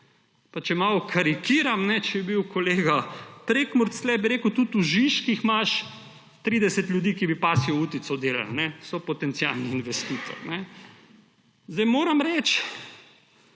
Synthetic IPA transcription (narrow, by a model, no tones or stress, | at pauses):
pat͡ʃɛmaːlɔkʰaɾikiːɾamnɛt͡ʃɛɛbiwkoleːɡapɾekmuɾt̪slɛbiɾeːkʊt̪ut̪uʒiʃkixmaʃ | t̪ɾid̪ɛsɛt̪lʲjud̪iːkibipasiɔuːt̪it̪sɔd̪eːla̰lnɛsɔpɔt̪ɛnt̪sia̰lniːnʋɛst̪it̪ɔ̰ɾnɛ | zd̪ɛjmoːɾamɾɛt͡ʃ